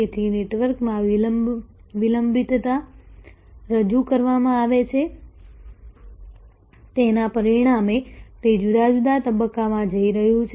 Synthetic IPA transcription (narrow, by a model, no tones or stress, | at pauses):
et̪ʰineʈʋəɾkmãʋ | ʋiləmbʱit̪t̪a | ɾəd͡ʒukəɾʋamãaʋet͡ʃʰe | t̪enapəɾiɽ̃amet̪ed͡ʒud̪ad͡ʒud̪at̪əbəkːamãd͡ʒəiɾəɦũt͡ʃʰ